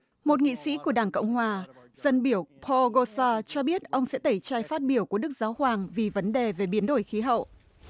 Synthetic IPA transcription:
mo˨˩t̚ŋḭ˧˨sḭ˧˥ku˧˩əɗaː˧˩ŋkə̰˧˨wŋ͡mhwaː˨˩ | z̥ə˧nɓi˧˩əwpʰɔ˧ɣo˧saː˧t͡ɕɔ˧ɓi˦˥ət̚ʔə˧wŋ͡msɛ̰˧˥t̪ə˧˩jt͡ɕaː˧jfaː˦˥t̚ɓi˧˩əwku˧˩ə˦ɗɨ˦˥k̚zaː˨˦whwaː˨˩ŋvi˨˩və˨˦nɗe˨˩ve˨˩ɓi˨˦ənɗo˧˩jxi˨˦ɦə̰˧˨ʔ

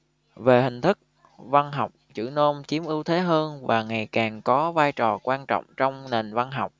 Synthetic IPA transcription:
ve˨˩hï˨˩ŋ̟t̪ʰɨ˦˥k̚ | va˧nɦa˨˩wk͡p̚t͡ɕɨ̰˧˩no˧mt͡ɕi˨˦əmʔɨ˨˦wt̪ʰe˨˦ɦəː˧nvaː˨˩ŋa˨˩jkaː˨˩ŋkɔ˨˦vaː˧jt͡ɕɔ˨˩kwaː˧nt͡ɕɔ̰˧˨wŋ͡mt͡ɕɔ˧wŋ͡mne˨˩nva˧nɦa˨˩wk͡p̚

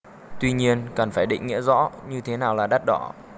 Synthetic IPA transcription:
t̪wi˧ɲi˧ənkaː˨˩nfaː˧˩jɗḭ˧˨ŋ̟ŋḭ˧˥əzɔ̰˧˥ɲɨ˧t̪ʰe˨˦naː˨˩wlaː˨˩ɗa˦˥t̚ɗɔ˧˩

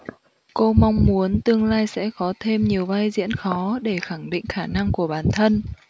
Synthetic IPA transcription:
ko˧ma˧wŋ͡mmu˨˦ənt̪ɨ˧əŋlaː˧jsɛ̰˧˥xɔ˨˦t̪ʰe˧mɲi˨˩əwvaː˧jzḭ˧˥ənxɔ˨˦ɗe˧˩xa˧˩ŋɗḭ˧˨ŋ̟xaː˧˩na˧ŋku˧˩əɓaː˨˩nt̪ʰə˧n

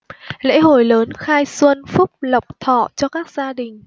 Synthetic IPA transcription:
lḛ˧˥ɦo˧˩jləː˨˦nxaː˧jswə˧nfʊ˦˥k͡p̚lə˨˩wk͡p̚t̪ʰɔ̰˧˩˨t͡ɕɔ˧kaː˦˥k̚zaː˧ɗï˨˩ŋ̟

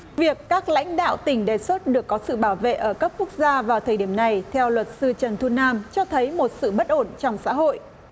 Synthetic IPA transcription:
vi˨˩əkːaː˦˥k̚la̰˧˥jŋ̟ɗa̰ː˧˨wt̪ï˧˩ŋ̟ɗe˨˩swə˦˥t̚ɗɨ˨˩əkːɔ˨˦sɨ̰˧˨ɓaː˧˩wvḛ˧˨ʔəː˧˩kaː˦˥p̚ku˦˥ək̚zaː˧vaː˨˩wt̪ʰəː˨˩jɗi˧˩əmna˨˩jt̪ʰɛ˧wlwə˨˩t̚sɨ˧t͡ɕə˨˩nt̪ʰu˧naː˧mt͡ɕɔ˧t̪ʰə˨˦jmo˨˩t̚sɨ̰˧˨ɓə˦˥t̚ʔo˧˩nt͡ɕɔ˧wŋ͡msa̰ː˧˥ɦo̰˧˨j

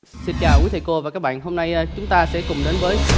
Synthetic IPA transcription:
si˨˧nt͡ɕa̰ː˨˩wʔu˨˦t̪ʰi˨˩ko˧vaː˨˩kaː˦˥k̚ɓa̰ː˧˨nɦo˧mna˧jːt͡ɕʊ˨˦ŋ͡mt̪aː˧sɛ̰˧˥kʊ˨˩ŋ͡mɗe˨˦nvəː˨˦j

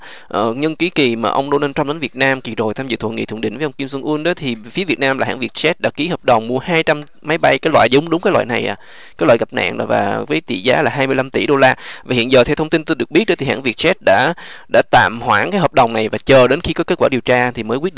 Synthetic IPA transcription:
ʔəː˧˩ɲə˧nki˨˦ki˨˩maː˨˩ʔə˧wŋ͡mɗo˧naː˧t̪ɾə˧mɗe˨˦nvət̚naː˧mki˨˩zo˨˩jt̪ʰa˧mzɨ̰˧˨t̪ʰə̰˧˨ŋḭ˧˨t̪ʰŋɗḭ˧˨ŋvəː˨˦ʔwŋ͡mki˧msə˧nʔu˧nɗɔ˨˦t̪ʰi˨˩fi˨˦əvi˨˩ət̚naː˧mlaː˨˩ɦa̰ː˧˥nvi˨˩ət̚t͡ɕɛ˦˥t̚ɗa̰ː˧˥ki˨˦həː˨˩p̚ɗə˨˩wŋ͡mmu˧əhaː˧jt͡ɕa˧m | ma˨˦jɓa˧jkaː˨˦jlwa̰ː˧˨jzʊ˨˦ŋ͡mɗʊ˨˦ŋ͡mkaː˦lwa̰ː˧˨na˨˩jʔa̰ː˨˩ | kaː˨˦lwa̰ː˧˨jɣa˨˩p̚na̰ː˧˨ŋɗ̰va̰ː˨˩vəː˨˦jt̪ḭ˧˨zaː˨˦laː˨˩ɦaː˧mɨ˧əjla˧mt̪i˧˩ɗo˧laː˧vaː˨˩hḭ˧˨ənzəː˨˩t̪ʰɛ˧wt̪ʰə˧wŋ͡mt̪i˧nt̪o˧ɗɨ˨˩ək̚ɓi˦˥t̚ɗɔ˨˦t̪ʰi˨˩ɦa̰ː˧˥nvi˨˩ət̚t͡ɕɛ˦˥t̚ɗa̰ː˧˥ɗa̰ː˧˥t̪a̰ː˧˨mhwaː˧˩kaː˨˦jɦəː˨˩p̚ɗə˨˩wŋ͡mna˨˩jvaː˨˩t͡ɕəː˨˩ɗe˨˦nxi˧kɔ˨˦ke˦˥t̚kwaː˧˩˨i˨˩əwt͡ɕaː˧t̪ʰi˨˩məː˨˦kwi˦˥ɗ

